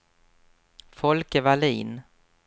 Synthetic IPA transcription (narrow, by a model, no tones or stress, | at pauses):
fɔlkəvaliːn